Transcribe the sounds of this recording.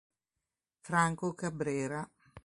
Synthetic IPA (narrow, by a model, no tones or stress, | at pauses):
fɾaŋkokabɾɛːɾa